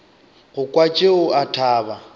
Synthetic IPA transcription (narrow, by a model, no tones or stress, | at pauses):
ɣʊkʼwat͡ʃʼeʊatʰaːba